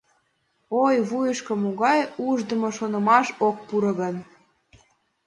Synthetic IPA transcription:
ojβujəʃkə̆moɣɑjuʒd̪ə̆moʃonɤ̆mɑʃok̚puɾɤ̆ɣən

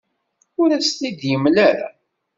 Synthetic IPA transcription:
ʊɾæst̪id̪jəmlæɾa̰

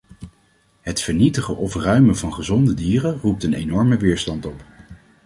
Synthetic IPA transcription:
ɦətfəɹnitəχəʔɔfrœɥməvɑnχəzɔndədiːrərup̚tənḛjnɔɹməʋɪːɹstɑntɔp

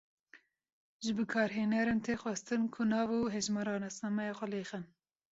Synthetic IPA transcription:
ʒɨbɨkʰɑːɾɦeːnɛɾɨmt̪ʰeːxʷwɛst̪ɨnkʰʊnɑːvuɦɛʒmɑɾɑːnɛsnɑmɛjɑːxʷɛleːxɨn

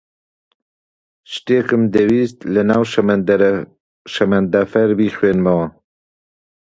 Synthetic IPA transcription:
ʃt̪eːkɨmd̪ɛwiːst̪lɨnaːwʃ | ʃɛmɛnd̪afɛɾbiːxweːnmɐwɑ

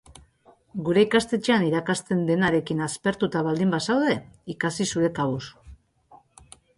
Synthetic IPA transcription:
ɡuɾe̞ikast̪e̞t͡ʃeaniɾakast̪e̞nd̪e̞naɾe̞kinaspe̞ɾt̪ut̪aβald̪imbasawðe̞ikasisuɾe̞kaβus

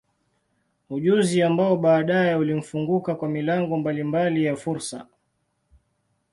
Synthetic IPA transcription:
uʄuziambaɔɓaːɗajɛulim̩fuŋɡukakwamilaŋɡɔmbalimbalijafuɾsa̰

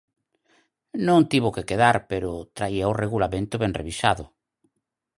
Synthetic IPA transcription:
nõŋt̪iβokekeðaɾpeɾʊt̪ɾaiaoreɣulamẽnt̪ʊβeŋrḛβisaðʊ

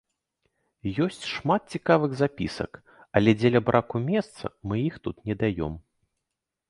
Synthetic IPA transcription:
jɔsʲt͡sʲʂmat̪̚t͡sʲikavɨɣzapʲḭsɐ̰k | ɐlʲɛd͡zʲɛlʲɐbɾʔakumʲɛst̪sɐ̰mɨjixt̪ut̪nʲɛd̪ajɔ̰m

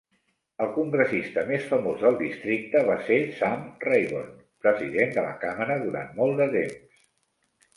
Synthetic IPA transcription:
əlˠkuŋɡɾəsist̪əmesfəmozðəlˠd̪ist̪ɾik̚t̪əβasesamrejβo̰n | pɾəziðend̪ələ̰kaməɾəðuɾa̰nmɔlˠd̪ət̪ems

